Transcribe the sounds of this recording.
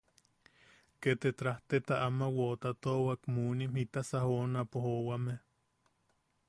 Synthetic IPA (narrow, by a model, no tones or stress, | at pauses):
ket̪et̪ɾaht̪et̪aʔamawoʔt̪at̪owakmunimhit̪asahonapohowame